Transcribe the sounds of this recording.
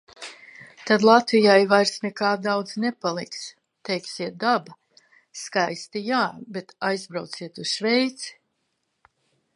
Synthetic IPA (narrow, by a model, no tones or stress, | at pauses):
t̪ad̪lˠat̪vijajvajɾsnɛkaːd̪awd̪znɛpalˠiks | t̪ɛjksiɛt̪̚d̪aba | skajst̪ijaːbet̪ajzbɾawt̪siɛt̪uz̥ʃvɛjt̪si̥